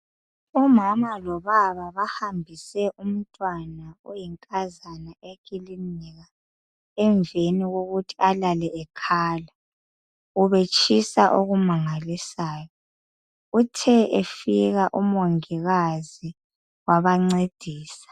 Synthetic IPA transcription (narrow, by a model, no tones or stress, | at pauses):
ɔmamalɔβaβaβahambʱisɛʔum̩tʼwanaujiŋkʼazanaeɣilinɛɣa | ɛɱveniɣoɣutʰi̥alalɛʔɛkʰaːla | uβet͡ʃʼisaʔoɣumaŋalisaːjɔ | utʰɛʔefiɣaʔumoŋiɣazi | waβaŋ͡ǀed̥ʱiːsḁ